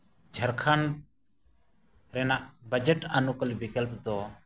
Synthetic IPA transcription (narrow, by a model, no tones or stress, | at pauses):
d͡ʒʱəɾkʰan | ɾɛnaʔbəd͡ʒɛʈanukəlbikəlpd̪ɔ